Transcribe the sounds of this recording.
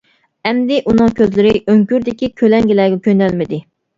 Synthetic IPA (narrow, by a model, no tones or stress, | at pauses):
ɛmd̪ɪʔunɨŋkʲʰøzlɪɾɪøŋkʲyɾd̪ɪkʲikʲʰølɛŋɡʲɪlɛːɡʲɛkʲʰønɛlmɪd̪ɪ